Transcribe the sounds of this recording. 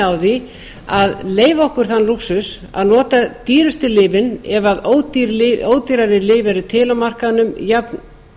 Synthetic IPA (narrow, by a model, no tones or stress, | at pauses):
awði | aðleːjvaɔhkʏɾ̥θanːluksʏs | a̰ðnɔːt̪at̪iːɾʏst̪ʏlɪːvɪnɛvaðoːwt̪iɾlɪoːwt̪iɾaɾɪlɪːvɛɾʏt̪ʰɪlawmar̥kanʏmjapn